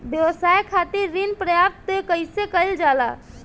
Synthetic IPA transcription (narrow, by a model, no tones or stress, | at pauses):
bjəʋəsajkʰat̪iɾːinpɾəjab̚t̪okəjsekəjld͡ʒala̰